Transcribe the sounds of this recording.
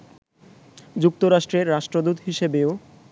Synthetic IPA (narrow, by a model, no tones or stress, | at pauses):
d͡ʑuk̚t̪oɾaʃʈɾeɾːaʃʈɾod̪ut̪ɦiʃebeo